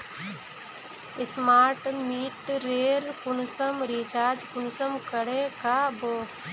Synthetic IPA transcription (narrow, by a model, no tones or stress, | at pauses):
ɪsmaːɾʈmiːʈɾeːɾkʊnʊsəmɾiːt͡ʃaːd͡ʒkʊnsəmkəɽekaːboː